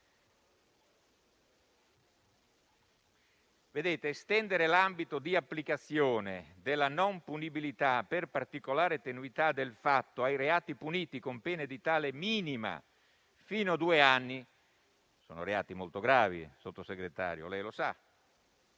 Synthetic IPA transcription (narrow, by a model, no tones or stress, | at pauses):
ved̪eːt̪eːst̪ɛnd̪eɾelambit̪od̪iapːlikat̪sːjoːned̪ɪlːanɔmpunibilit̪aperpart̪ikolaːɾet̪enuit̪ad̪elfat̪ːoajreaːt̪ipuniːt̪ikompɛːned̪it̪aːlemiːnima̰ | fiːnoad̪uːeanːi | so̰ːno̰ɾeaːt̪imolt̪oɡɾaːvḭsot̪ːoseɡɾet̪a̰ːɾjo̰lɛjlosa